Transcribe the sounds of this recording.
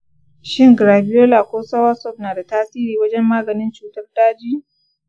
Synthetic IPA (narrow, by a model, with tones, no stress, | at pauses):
ʃɪ˦ŋɡɾaː˨bɪ˦joː˦la˨kʷoː˦sɐ˦wa˦sɔ˦˨p̚naː˨da˨taː˦siː˦ɾiː˨wɐ˦d͡ʒɛ˦mːaː˦ɡɐ˨nɪ˦nt͡ʃuː˨tɐ˦rdaː˦d͡ʒi˦